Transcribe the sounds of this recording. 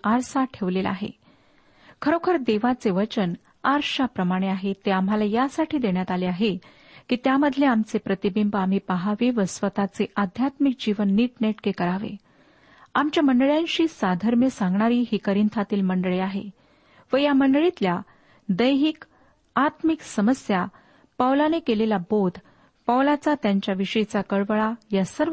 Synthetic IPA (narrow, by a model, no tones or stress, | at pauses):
aɾsaʈʰeʋlela̰ɦḛ | kʰəɾokʰəɾd̪eʋat͡seʋət͡ɕən | aɾɕapɾəmaɽ̃eaɦet̪eamɦalajasaʈʰiːd̪eɳjat̪aleaɦe | kiːt̪jaməd̪ʱleamt͡sepɾət̪ibimbam̤iːpaɦaʋiʋəsʋət̪at͡seʔad̪ʱjat̪mik̚d͡ʑiʋənːiːʈneʈkekəɾaʋḛ | amt͡ɕjaməɳɖəɭjãnɕiːsad̪ʱəɾmjəsãŋɡɳaɾiːɦiːkəɾint̪ʰat̪iːlməɳɖɭeaɦḛ | ʋəjaməɳɖəɭit̪lja | d̪əjɦik | at̪miksəməsja | pawlanekelelabod̪ʱ | pawlat͡sat̪jaɲt͡ɕjaʋiʂəit͡sakəɭʋəɭajasəɾ